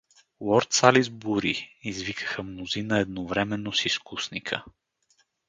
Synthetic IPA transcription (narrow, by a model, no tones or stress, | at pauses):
lˠɔɾt̪salizbuɾiizvikə̥xəmnozinəɛd̪novɾɛmɛnːosiskusnikʰə̰